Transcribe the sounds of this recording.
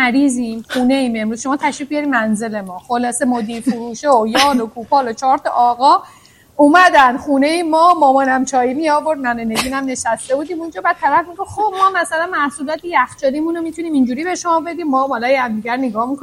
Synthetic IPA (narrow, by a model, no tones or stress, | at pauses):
æɾiːzimxuːneiːme̞mɾuz̥ʃo̞mɒːt̪ʰæʃviːb̚bijɒɾimænze̞le̞mɒːxolɒːse̞mod̪iːɾfuɾuːʃeojɒːlokʰuːpʰɒːlot͡ʃʰɒːɾt̪ʰɒ̰ʔːɣɒ | umæd̪ænd̪xune̞imɒːmɒːmɔːnæmt͡ʃʰɒːjimiɒːbo̞ɾd̪̚mænone̞ɡiːnæmne̞ʃæst̪e̞bud̪iːmund͡ʒɒːbæːd̪̚t̪ːʰælæfmiɡofxob̚mɒːmæsælænmæhsuːlɒːt̪ʰejæxt͡ʃɒːlimunomit̪ʰuniːmind͡ʒuːɾiːbe̞ʃomɒːbe̞d̪iːmːɒːmɒlɒjhæmd̪iɟæɾneɡɒːhmiko